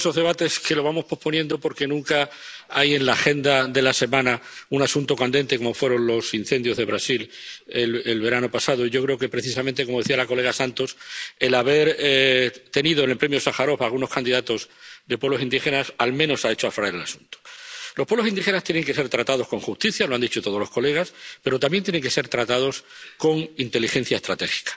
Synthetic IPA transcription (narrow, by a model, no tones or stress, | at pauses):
so̞zðe̞βat̪e̞ske̞loβamo̞spo̞hpo̞njẽnd̪o̞po̞ɾke̞nũŋkaaje̞nlaxe̞nd̪aðe̞lase̞mãnaunasunt̪o̞kand̪e̞nt̪e̞ko̞mo̞fwe̞ɾo̞nlo̞sinθe̞nd̪jo̞zð̞e̞β̞ɾasilelelβe̞ɾanopasað̞o̞iʝo̞kɾe̞oke̞pɾeθisament̪ekomo̞ðe̞θialako̞le̞ɣ̞asãnt̪o̞se̞laβe̞ɾ | t̪e̞niðoenelpɾemjosaxaɾo̞falɣuno̞skand̪iðat̪o̞zðe̞pwe̞βlo̞sind̪ixe̞nasalmẽno̞sae̞t͡ʃoafɾaeɾala̰su̥nt̪o̥lospweβlosinixe̞nast̪jene̞ŋke̞se̞ɾt̪ɾat̪að̞o̞sko̞ŋxust̪iθjaloand̪it͡ʃo̞t̪oðolo̞sko̞le̞ɣ̞aspe̞ɾo̞t̪ambjent̪jene̞ŋke̞se̞ɾt̪ɾat̪að̞o̞sko̞ŋint̪e̞lixe̞n̟θjaest̪ɾat̪e̞xi̥kḁ